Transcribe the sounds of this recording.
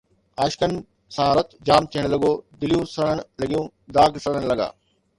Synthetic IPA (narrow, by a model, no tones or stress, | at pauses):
aːʃkən | sɐɦaːɾət̪d͡ʑaːmt̪ʰiəɽ̃lɐɡoːd̪ɪlijũsɐɽəɽ̃lɐɠijũː | d̪aːɡsɐɽəɽ̃lɐɠa̰ː